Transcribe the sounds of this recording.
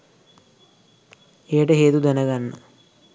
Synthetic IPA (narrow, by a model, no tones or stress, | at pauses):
eːʈɐɦeːt̪ud̪ɐnɐɡɐnːɐ̰